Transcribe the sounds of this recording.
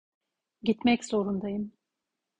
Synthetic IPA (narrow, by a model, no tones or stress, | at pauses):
ɟit̪mɛcsoɾund̪ajɯm